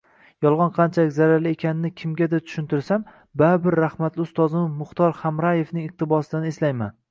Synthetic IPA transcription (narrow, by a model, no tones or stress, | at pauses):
jɒlˠʁɒnqʰɑnt͡ʃʰalɪkʲzaɾalɪe̞kʲʰanɪnɪkʲʰɪmɡʲad̪at̪ʰʊ̥ʃɪnt̪ʰɪɾsam | babɪɾːahmat̪lɪʊst̪ɒzɪmɪmʊχt̪ɒɾχamɾaje̞fnɪŋɪq̚t̪ʰɪbɒsɪd̪aneslajma̰n